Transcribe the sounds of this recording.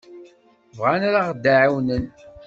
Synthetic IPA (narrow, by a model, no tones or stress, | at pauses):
vʁanaɾaʁd̪ːaʕawnən